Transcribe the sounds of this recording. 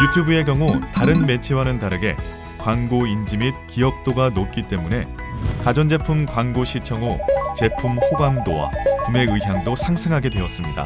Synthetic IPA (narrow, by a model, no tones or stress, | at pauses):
jutʰjubɯe̞ɡjʌŋutaɾɯnme̞t͡ɕʰewanɯndaɾɯɡe̞̰ | kwaŋɡoind͡ʑimit̚kiʌk̚t͈oɡanot̚k͈it͈e̞mune̞ | kad͡ʑʌnd͡ʑe̞pʰumkwaŋɡoɕʰit͡ɕʰʌŋot͡ɕe̞pʰumɸoɡwaŋdowa̰kume̞ɯiɦjaŋdosʰaŋsʰɯŋɦaɡe̞dweʌs͈ɯmɲida̰